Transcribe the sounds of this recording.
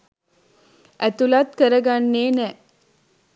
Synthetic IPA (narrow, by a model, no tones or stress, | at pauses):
ʔæt̪ulat̪kəɾɐɡanːeːnɛː